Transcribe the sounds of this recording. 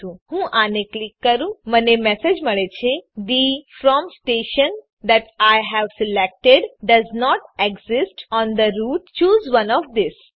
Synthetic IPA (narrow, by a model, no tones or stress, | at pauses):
ũhũʔaneklɪkːəɾũmənemɛsed͡ʒməɭet͡ʃʰed̪ifɾɔ̃msʈeːʃə̃n | d̪æʈajɦæʋsɪlɛk̚ʈeɖɖɐznɔʈeɡzɪsʈɔ̃nd̪əɾuːʈ̚t͡ʃuːzʋɐ̃nɔʋd̪ɪs